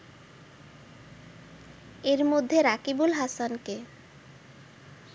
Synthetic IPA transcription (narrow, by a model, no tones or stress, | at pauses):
eɾmod̪ʱːeɾakibulɦasanke